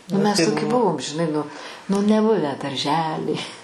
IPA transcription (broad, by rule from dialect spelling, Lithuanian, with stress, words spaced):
nʊ mʲɛs toːˈkʲɪ ˈbʊʋoːm ʒʲɪˈnɐɪ ˈnʊ nʊ nʲɛˈbʊʋʲæː dɐrʲˈʒʲæːlʲiː